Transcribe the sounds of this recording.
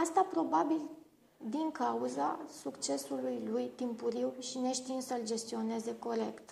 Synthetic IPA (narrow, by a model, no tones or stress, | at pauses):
ast̪apɾo̞babil | d̪iŋkauzasukt͡ʃe̞sulujlujt̪impuɾiwʃine̞ʃt̪insəld͡ʒe̞st̪io̞ne̞ze̞ko̞ɾe̞kt̪